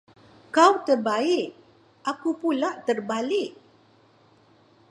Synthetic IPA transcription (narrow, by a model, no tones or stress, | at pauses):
kawt̪ərbaɪk̚ | ʔakupulaʔt̪ərbalɪk̚